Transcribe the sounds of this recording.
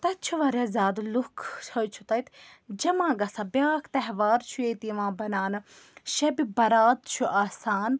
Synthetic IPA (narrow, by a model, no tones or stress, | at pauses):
t̪ɐt͡ʃʰuʋɐɾeːzʲaːd̪lukʰt͡ʃʰɐjt͡ʃʰu̥t̪ɐjt̪d͡ʒɐmãːɡɐsabjaːkʰt̪ɐɦʋaːɾt͡ʃʰueːt̪iʋãːbɐnaːnɨ | ʃɐbibɐɾaːt̪t͡ʃʰuʔaːsaːn